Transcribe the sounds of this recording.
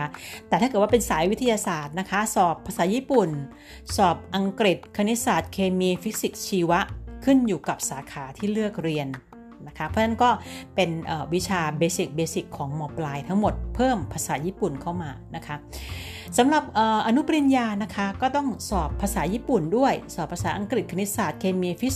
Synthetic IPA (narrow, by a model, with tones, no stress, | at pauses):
a˦˥t̪ɛ˨˩a˥˩k̪̚ːwa˥˩pe˧nsaː˩˦jwi˦˥t̪ʰa˧jaː˧saː˨˩t̪̚na˦˥kʰa˦˥sɔː˨˩pʰːaː˧saː˩˦jiː˥˩pu˨˩n | sɔː˨˩p̚ʔa˧ŋkɾi˨˩t̪̚kʰa˧ni˦˥saː˨˩t̪̚kʰeː˧miː˧fi˦˥k̚si˨˩k̚t͡ɕʰiː˧wa˦˥ʔkʰɯ˥˩njuː˨˩ka˨˩p̚saː˩˦kʰaː˩˦t̪ʰiː˥˩ɾɯ˥˩ək̚ɾi˧ənː | a˦˥kʰa˦˥pʰɔ˦˥nʰa˥˩nkɔː˥˩pe˧nʔəː˨˩wi˦˥t͡ɕʰaː˧beː˧si˨˩k̚beː˧si˨˩kʰːɔː˩˦ŋmɔː˧plaː˧jt̪ʰa˦˥ŋmo˨˩t̪̚pʰɤː˥˩mpʰaː˧saː˩˦jiː˥˩pu˨˩nkʰa˥˩wmaː˧na˦˥kʰa˦˥ | sa˨˩˦mɾa˨˩p̚ʔəː˨˩ʔa˧nu˦˥pɾi˧njaː˧na˦˥kʰa˦˥kɔː˥˩t̪ɔ˥˩ŋsɔː˨˩pʰːaː˧saː˩˦jiː˥˩pu˨˩ndu˥˩əjsɔː˨˩pʰːaː˧saː˩˦ʔa˧ŋkɾi˨˩t̪̚kʰni˦˥saː˨˩t̪̚kʰeː˧miː˧fi˦˥